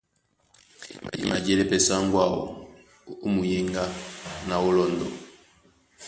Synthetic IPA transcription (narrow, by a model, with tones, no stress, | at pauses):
ḭ˨ma˨ɟɛ˦lɛ˦pɛ˨sa˦ŋɡwa˦˨ɔ̰˨ | u˦mu˨ji˦ŋɡa˦na˨u˦lɔ˦˨ndɔ̰˨